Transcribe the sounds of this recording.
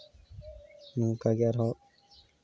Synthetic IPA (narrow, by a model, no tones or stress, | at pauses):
mũːkaɡaɾɦɔ